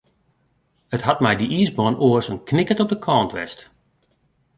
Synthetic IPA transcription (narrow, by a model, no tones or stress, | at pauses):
əthɑt̚mɛjdiʔiːsbɔːnoəsənknɪkətɔp̚dəkʰɔːntʋɛ̰st